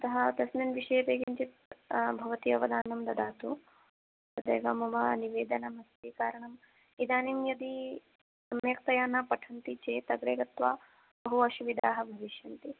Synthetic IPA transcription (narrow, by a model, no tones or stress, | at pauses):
ɐt̪ɐɦɐt̪ɐsnɐnʋiʂɐjɐpeːɡiɲt͡ʃit̪̚bʱɐʋɐt̪iɐʋɐd̪aːnɐmd̪ɐd̪aːt̪u | t̪ɐd̪ḛːɡɐmɐmɐniʋeːd̪ɐnɐmɐst̪iːkaːɾɐɳɐm | id̪aːnimjɐd̪i | ɐmjeːk̚t̪ɐjaːnaːpɐʈʰɐnt̪it͡ʃeːt̪ɐɡɾeːɾɐt̪ʋaː | bɐɦuʋɐʃuʋid̪aːɦɐbʱɐʋiʃjɐnt̪i